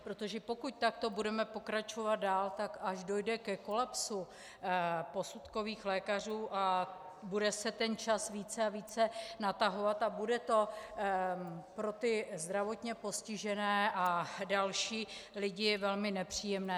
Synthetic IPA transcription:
pɾot̪o̞ʒɛpo̞kuc̚t̪akt̪o̞budɛmɛpo̞kɾat͡ʃo̞vad̪̚daːlt̪akaʒdo̞jdɛkɛko̞lapsu | po̞sut̪ko̞viːxlɛːkar̝uːʔa | budɛsɛt̪ɛnt͡ʃasviːt͡sɛaviːt͡sɛnat̪aɦo̞vat̪abudɛt̪o̞ | pɾo̞t̪ɪzd̪ɾavo̞t̪ɲɛpo̞scɪʒɛnɛːʔadalʃiːlɪɟɪvɛlmɪnɛpr̝̥iːjɛmnɛː

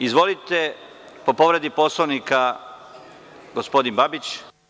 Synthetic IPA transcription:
izʋo̞lit̪e̞ | po̞po̞ʋɾe̞d̪ipo̞sloʋnika | ɡospo̞d̪inbabit͡ɕ

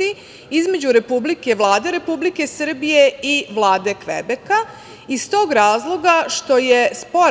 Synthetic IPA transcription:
i | izme̞d͡ʑuɾe̞publike̞ʋlˠaːd̪e̞ɾe̞publike̞sɨr̩bije̞iʋlˠaːd̪e̞kʋḛbe̞ka | ist̪o̞ːɡɾaːzlˠo̞ɡaʃt̪o̞jespo̞

